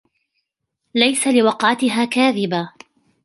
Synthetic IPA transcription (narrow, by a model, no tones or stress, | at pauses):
lajsalɪwɑqʕat̪ɪɦaːkaːðɪba